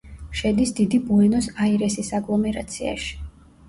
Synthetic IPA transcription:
ʃɛd̪isd̪id̪ibuɛnɔsaiɾɛsisaɡlˠɔmɛɾa̰t̪sʰia̰ʃi̥

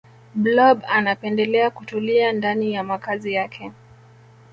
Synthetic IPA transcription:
blɔbanapɛndɛlɛakutuliandanijamakazijakʰɛ

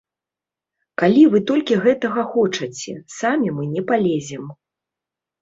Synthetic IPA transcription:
kalʲivɨt̪ɔlʲkʲiɣɛt̪ɐɣɐxɔt͡ʂɐt͡sʲɛsamʲimɨnʲɛpalʲezʲɛm

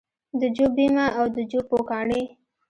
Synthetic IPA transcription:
d̪əd͡ʒobimaʔawd̪əd͡ʒopokɑɳe

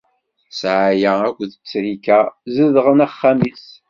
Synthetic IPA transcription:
sʕajæækʷːðət͡sːɾikæzəðʁənæχːamis

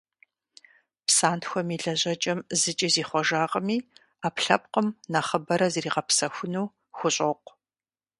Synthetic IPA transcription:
psaːntʰxʷɔmiːɮɐʑɐt͡ʃʼɐmzɨt͡ʃʼiziːχʷɔʒaːʁəmiː | aːpɬɐp̚qəmnaχəbɐɾɐziɾiːʁɐpsɐxʷʊnuː | xʷʊɕʼɐqʷ

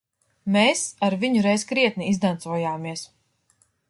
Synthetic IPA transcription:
meːsaɾviɲuɾɛjzkɾiɛt̪̚niizd̪ant̪suɔjaːmiɛs

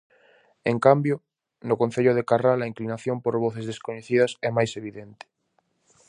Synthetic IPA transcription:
eŋkambjo | nʊkonθeʎʊðekaralaiŋklinaθjompoɾβoθezðeskoɲeθið̞ɐsɛmajseβiðent̪ɪ̥

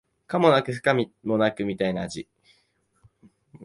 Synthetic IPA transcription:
kamo̞nakɯ̟hɯ̥kamʲimo̞nakɯ̟mʲit̪ainaːʑi

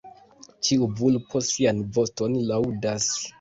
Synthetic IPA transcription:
t͡ʃiubulpʰotsianbostonlawdas

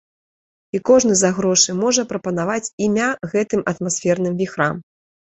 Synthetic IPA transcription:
ikɔʐnɨzaɣɾɔʂɨmɔʐɐpɾɐpɐnavat͡sʲimʲaɣɛt̪ɨmʔɐt̪masʲfʲɛrnɨmvʲixɾam

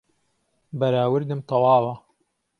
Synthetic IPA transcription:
bɐɾaːwɨɾd̪ɨmt̪ʰɑwɑːwɐ

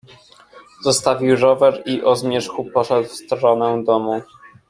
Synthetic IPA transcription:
zɔst̪avʲiwɾɔvɛɾiʔɔzmʲjɛʂxupɔʂɛd̪wfst̪ɾɔnɛd̪ɔmu

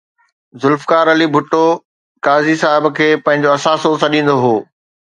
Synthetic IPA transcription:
zʊlfkaːɾɐlibʱʊʈːo | kaːzisaːɦɪbkʰeːpɐ̃ɦɪ̃ɲ̆d͡ʑoɐsaːsosɐ̃ɗĩːn̆d̪oɦoː

